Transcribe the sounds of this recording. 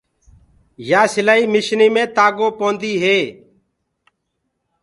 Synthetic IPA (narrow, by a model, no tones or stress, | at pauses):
jaːsɪlaːiːmɪʃniːmẽːt̪aːɡoːpõːnd̪iːɦeː